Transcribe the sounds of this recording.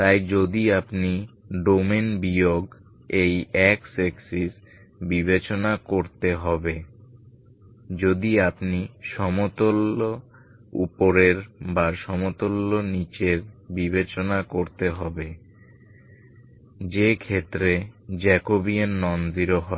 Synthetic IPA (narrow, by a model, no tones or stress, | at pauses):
t̪ajd͡ʑod̪iapniɖomenbijoɡ | ejɛkseksis | bibet͡ɕonakoɾt̪eɦɔbe | d͡ʑod̪iapniʃɔmot̪olo | ṵpoɾeɾbaʃɔmot̪olːonit͡ɕeɾbibet͡ɕonakoɾt̪eɦɔbe | d͡ʑekʰet̪ːɾed͡ʑɛkobianːɔnd͡ʑiɾoɦɔe